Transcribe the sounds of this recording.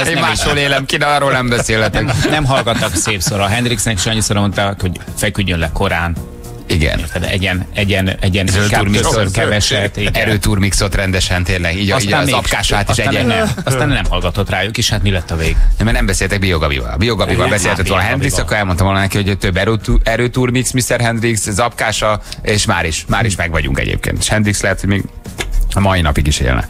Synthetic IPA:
eːmmaːʃoleːlɛmkinɛlɒɾoːlnɛmbɛseːlɛt̪ɛknɛmɦɒlɡɒt̪ːɒkseːpsoɾɒɦɛnd̪ɾiksnɛkʃɒɲːisoɾmont̪akho̞ɟfɛkyɟːønlɛko̞ɾaːn | iɡɛ̰nt̪ɛd̪ɛ̰ɟɛnɛɟɛnɛɟɛnɾøurmissotkɛvɛʃɛt̪ːiɡɛɾøːt̪uːrmiksot̪rɛnd̪ɛʃɛnt̪eːnlɛɡiːɟiːazɒpkaːʃaːt̪esʃɛaɛnɛsaːnnɛmhɔlɡɒt̪ot̪raːjukeːʃhat̪milɛt̪ːɒveːɡemɛnɛmbɛseːlt̪ɛɡ̚bijoɡɒbḭvɒ̰lɒ̰bijoɡɒbivɒlbɛseːlhɛt̪ɛt̪oːlɒɦɛndiksɒkːoɾɛlmo̞nt̪ɒmvoːlɐnɛkiho̞ɟt̪øbːɛɾøtɛɾøːt̪urmiksmist̪ɛrɦɛnd̪rikszɒp̚kaːʃɒeːʃma̰ːɾiʃmaːɾiʃmɛɡʋɒɟṵŋkɛ̰ɟḛːp̚kḛːnt̪e̥ʃhɛnd̪rikslɛɦɛt̪ho̞ɟmeːɡ | ɒmɒinɒpiɡiʃḛːlnɛ̰

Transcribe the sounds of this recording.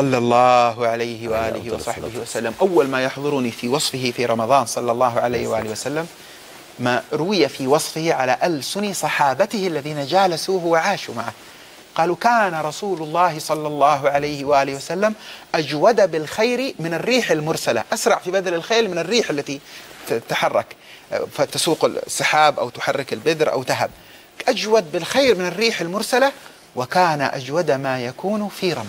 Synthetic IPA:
sˤɑlːɑlˤːɑːɦʕalajhɪwaʔaːlɪ̰hɪwɑ̰sˤɑħbɪhɪwasalːamʔawːalmaːjaħðˤʊɾʊnifiwɑsˤfɪɦɪfiɾˤɑmɑd̪ˤɑːnsˤɑlːɑlˤːɑːɦʕalajhwaʔaːlɪwasalːamː | aɾˤʊwɪjafiwɑsˤfɪhɪʕalaʔalsʊnisˤɑħɑːbat̪ɪhɪʔlːaðiːnad͡ʒaːlasuːhwaʕaːʃumaʕa | qɑːlukaːnaɾˤɑsuːlʊlˤːɑːɦɪsˤɑlːɑlˤːɑːɦʕalajhɪwaʔaːlɪhwasalːamʔad͡ʒwad̪abɪlxajɾimɪnɪrːiːħalmʊɾˤsala̰ʔasɾˤɑʕfibad̪alalxeːɾmɪnɪrːiːħalːat̪it̪aħɑrˤːɑ̰k | fat̪asuːqɪsˤːɨħaːbʔa̰wt̪ʊ̥ħɑrˤːɪkalbɪd̪ɾʔa̰wt̪aɦa̰b̚ | ʔad͡ʒwad̪̚bɪlxajɾmɪnɪrːiːħalmʊɾˤsala | wɪkaːnaʔa̰d͡ʒwad̪amaːjakuːnfiːɾˤɑ̰m

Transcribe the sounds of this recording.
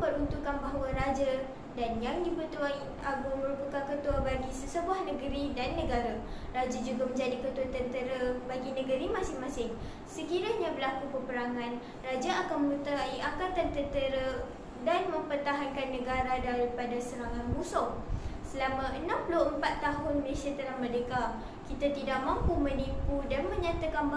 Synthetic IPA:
pəɾunt̪ukanbaɦawaɾad͡ʒa | danjaŋdibət̪uai | aɡumə̃ɾupəkankət̪uabaɡisəsəbuahnə̃ɡəɾidanːə̃ɡaɾa | rad͡ʒad͡ʒuɡamə̃ɲd͡ʒadikət̪uat̪ənt̪əɾabaɡinə̃ɡəɾimãsɪŋmãsɪŋ | səkiɾaɲabəlakupəpəɾaŋãn | rad͡ʒaakanməɾut̪aiʔaŋkat̪ant̪ənt̪əɾa | danmə̃mpərt̪aɦankanːə̃ɡaɾadaɾipadasəɾaŋanmusɔsəlamãʔənãmpuloəmpat̪ːaɦʊnməlesiat̪ənahmədeka | kit̪at̪idaʔ̚mampumənipudanmə̃ɲat̪akanba

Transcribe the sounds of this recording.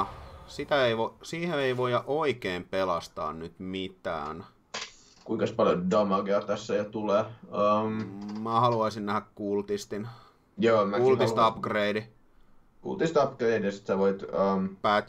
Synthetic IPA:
sit̪æeiʋosiːheeiʋojɑʔoikeːmpelɑst̪ɑ̰ːnnyt̪mit̪æ̰ːn | kuiŋkɑspɑljodɑmɑɡeɑt̪æsːæjot̪uleːəmmæːhɑluɑisinnæhækkuːlt̪ist̪in | joːmækult̪isɑpɡreidi | kṵlt̪ist̪ɑpɡreidɑsi̥t̪sæʋoit̪əmpæːt̪

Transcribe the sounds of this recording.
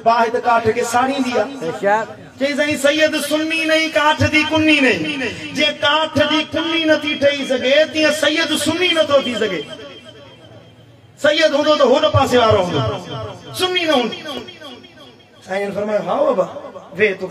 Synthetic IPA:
baːɦɪd̪kaːʈʰkʰeːsaːɽĩːnd̪iaː | t͡ɕɐĩs̬ɐɡĩsɐjːəd̪sʊnːinɐikaːʈʰd̪iːkʊnːinɐɦiːd͡ʑĩːɦɪ̃kaːʈʰd̪iːkʊnːinɐt̪ʰiʈʰɐisɐɡʱet̪ĩːə̃sɐjəd̪sʊnːinɐt̪ʰot̪ʰisɐɡʱeː | sɐjəd̪ɦũːnd̪ot̪ɐɦoːnɐpaːseʋaːɾoɦũːnd̪osʊnːinɐɦũːnd̪o | ɛ̃ːʊnfɐɾmaːjoɦãːoɐbaʋeːt̪ʊ

